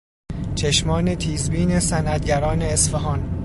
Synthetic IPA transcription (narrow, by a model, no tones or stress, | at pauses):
t͡ʃʰeʃmɒːne̞t̪ʰiːzbiːne̞sænʔæt̪̚ɟæɾɒːneːsfeɦɒːn